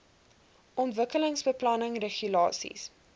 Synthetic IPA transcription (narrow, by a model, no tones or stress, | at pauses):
ʔɔntvəkələŋsbəplɐnəŋreχylɑːsḭs